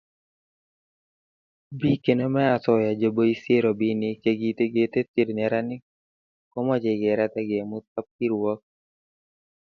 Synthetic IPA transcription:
bi˦ke˨no˦mɛ˦a˨tɔ˨ja˨d͡ʒo˨bo˦i˦sje˦ɾo˨bi˦nɪ˦ke˨ɡi˨t̪e˦ɡe˨t̪e˦t̪ɪ˨ɾɲɛ˨ɾa˦nɪ˦ | kɔ˦mɔ˦d͡ʒe˨ɡe˨ɾa˦t̪ɛ˦ɡe˨mʊ˦t̪̚a˦p̚ki˦ɾwɔ˦k̚

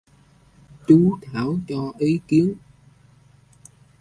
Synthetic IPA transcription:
t͡ɕu˨˦t̪ʰaː˧˩wt͡ɕɔ˧ʔi˨˦ki˨˦ən

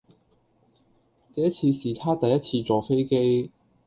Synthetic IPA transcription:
t͡sɛː˨˥t͡sʰiː˧siː˨˩t̪ʰaː˥t̪ɐ˨jːɐ˥t͡sʰiː˧t͡sɔː˨fe˥jke˥j

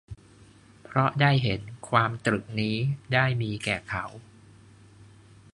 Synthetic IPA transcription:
pʰɾɔ˦˥daː˥˩jɦe˩˦nkʰwaː˧mt̪ɾɯ˨˩k̚niː˦˥daː˥˩jmiː˧kɛː˨˩kʰa˩˦w

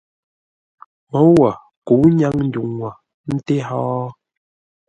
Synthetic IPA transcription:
mɔ˨˦wa˨ | ku˨˦ɲa˦ŋn̩˨˦du˨ŋwa˨ | n̩˦te˦ɦɔː˦

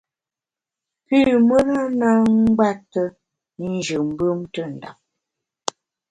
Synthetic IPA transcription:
pi˦mə˦ɾa˦na˦ŋ̩˦ɡ͡ba˦tːə˦ | n˦d͡ʒʉ˨m̩˦bɯ˦mtə˦˨n̩˨da̰˨m

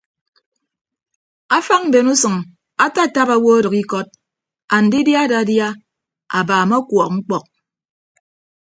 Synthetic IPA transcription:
a˦fa˦ŋ̚m̩˨be˨nu˦sɨ˨ŋ | a˦ta˦˨ta˦pa˨wo˦a˦dɨ˨ki˦kɔ˦t̚ | a˨n̩˨di˦dja˦da˨˦dja˦ | a̰˨baː˨mɔ˦kwɔ˨k̚ŋ͡m̩˦k͡pɔ˨k̚

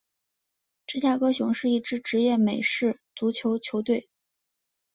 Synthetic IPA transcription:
ʈ͡ʂɤ˥˩˧ɕ̬ja˥˩kɤ˥ɕjʊ˧˥ŋʂɻ̩˥˧i˥˩ʈ͡ʂɻ̩˥ʈ͡ʂɻ̩˧˥jɛ˥˩me˨˩ɪʂɻ̩˥˩t͡su˧˥t͡ɕʰjo˧˥ʊt͡ɕʰjo˧˥ʊt̪we˥˩ɪ

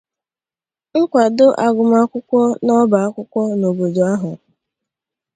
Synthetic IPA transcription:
ŋ̩˦kʷa˨dʊ˦ʔa˨ɡʊ˨ma˦kʷʊ˦kʷɔ˦nɔ˦ba˨a˦kʷʊ˦kʷɔ˦no˨bo˨do˨a˦ɦʊ˨

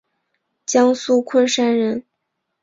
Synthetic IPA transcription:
t͡ɕjɑ˥ŋsu˥kʰwə˥˧nʂa˥nɻə˧˥n

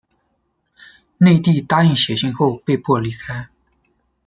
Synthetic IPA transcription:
ne˥˧ɪt̪i˥˩t̪a˥i˥˩ŋɕjɛ˨˧˥ɕi˥˧ŋxo˥˧ʊpe˥˧ɪpʰwɔ˥˩li˧˥˩kʰa˥ɪ

